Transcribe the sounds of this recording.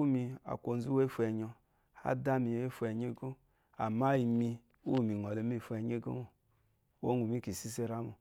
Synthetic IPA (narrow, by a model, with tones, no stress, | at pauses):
u˦mi˧a̰˨kʷo˨n˦zu˦we˦fu˨ɛ˨ɲɔ˧ | a̰˦da˦mi˨e˦fu˨ɛ˨ɲe˦ɡo˦ | a˨ma˦i˨mi˧ | u˦˨mi˨ŋ˨ɔ˨le˨˦m˦i˦˨fu˨ɛ˨ɲe˦ɡo̰˦mo˨ | wo̰˦nu˨mi˦ki˨si˦se˦ɾa˦mo˨